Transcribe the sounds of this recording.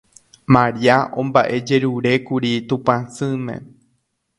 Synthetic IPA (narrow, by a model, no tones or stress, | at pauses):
mãɾiaʔõmbaʔe̞d͡ʒe̞ɾuɾe̞kuɾit̪ũpãsɨ̃mẽ̞̰